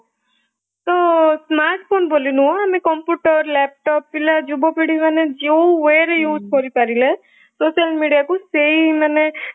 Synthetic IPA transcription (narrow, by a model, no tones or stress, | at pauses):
t̪ɔsmaɾʈʰpʰonbolinuɦɔ̃ɦamekɔmpjuʈɔɾlɛp̚ʈɔpːilad͡ʒubɔpiɽimaned͡ʒewweɾejuːd͡ʒkɔɾipaɾile | sosalmiɽijakuseinane